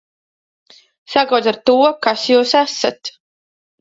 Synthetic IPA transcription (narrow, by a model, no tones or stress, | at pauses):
sakaw̪aɾt̪uɔkasjuːsæsat̪